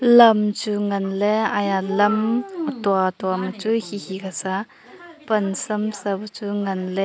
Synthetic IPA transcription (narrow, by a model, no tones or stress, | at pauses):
lɐmt͡suŋɐnlɛajalɐmtuatwamɐt͡suhihikasa | pɐnsɐmsɐbɐt͡suŋɐnlɛ